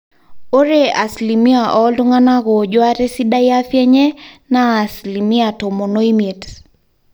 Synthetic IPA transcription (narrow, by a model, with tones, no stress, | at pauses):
o˦ɾe˦a˨sli˨mi˦a˨ʔɔ˦ldu˦ŋa˦na˦ɣɔ˨d͡ʒwa˦ɾe˦si˦da˦ja˦fjɛ˦ɲɛ˦naː˦˨sli˨mi˦a˨to˨mo˨no˦i˦me˨t